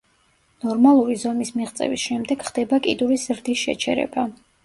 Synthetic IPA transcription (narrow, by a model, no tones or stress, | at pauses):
nɔɾmalˠuɾizɔmismiʁt̪sʼɛ̰visʃɛmd̪ɛɡ̥χd̪ɛbakʼid̪uɾizɾd̪isʃɛ̰t͡ʃʰɛ̰ɾɛ̰ba